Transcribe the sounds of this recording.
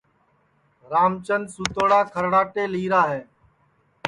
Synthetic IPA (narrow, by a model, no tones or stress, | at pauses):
ɾaːmt͡ʃənsuːt̪oːɽaːkʰəɾɽaːʈeːliːɾaːɦeː